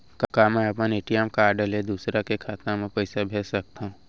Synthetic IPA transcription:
kɐkamɛɐpəneʈijɛmkaːɾɖəled̪uːsɾakekʰaːt̪namẽpɛɪsabʱeːsɐk̚t̪aɦũː

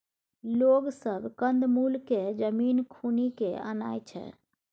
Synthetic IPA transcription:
loɡsəbʱkənd̪mulked͡ʒəminkʰunikḛə̰na̰jt͡ʃʰɛ̰

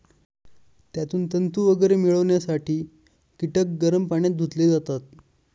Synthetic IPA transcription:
t̪jat̪uːnt̪ənt̪uːʋəɡəɾemiɭəʋɳjasaʈʰiː | kiʈək̚ɡəɾəmpaɳjat̪̚d̪ʱut̪led͡zat̪at̪̚

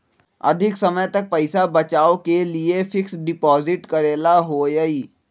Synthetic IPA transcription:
ɐ̰d̪ʱɪksɐməjt̪ɐk̚pɐɪsabɐt͡ʃaːokeliefɪksɖɪpɔːzɪʈkɐɾeːlaɦojəiː

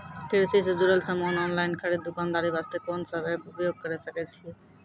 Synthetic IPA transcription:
pʰeɾsised͡ʒuɾəlsəmonɔnlaɪnkʰəɾid̪ːukand̪aɾibast̪ekonsəbʱɛubijoɡ̚kəɾɛsəkɛt͡ʃʰiɛ

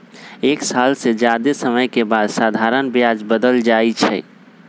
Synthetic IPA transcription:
eːksalsed͡ʒjad̪esəməjkebad̪sad̪ʱaɾənbjad͡ʒbəd̪əld͡ʒait͡ʃʰɛ̰

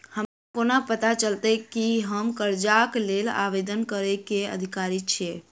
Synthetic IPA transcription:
həmakonapət̪at͡ʃəlt̪əkiɦəmkəɾd͡ʒaklela̰ʋed̪ənkəɾəkeə̰d̪ʱikaɾit͡ʃʰɛ

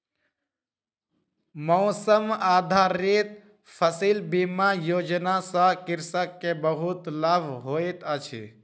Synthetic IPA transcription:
mɔːsəmaːd̪ʱaɾit̪̚ | pʰəsilbimajoːd͡ʒnasə̃kɪɾsəkːebəɦut̪ləbʱɦoːit̪ət͡ʃʰḭ

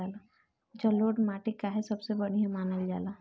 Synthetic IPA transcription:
aːla | d͡ʒɐloːʈmaːʈikaɦɛsɐbsebɐɽ̤iɦẽmaːnəld͡ʒa̰ːlaː

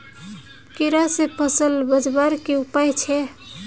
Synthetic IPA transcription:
kiɾasepʰəsəlbəd͡ʒbaɾkeupajt͡ʃʰɛ

